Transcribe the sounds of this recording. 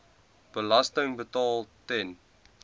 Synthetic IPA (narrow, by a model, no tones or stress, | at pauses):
b̥əlɐstəŋbətɑːlˠtɛn